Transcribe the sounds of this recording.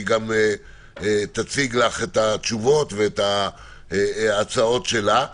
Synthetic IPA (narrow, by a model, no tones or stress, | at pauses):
ɡame | t̪at͡siɡlaχet̪at͡ʃuvo̞t̪veet̪a | at͡sao̞tʃe̞la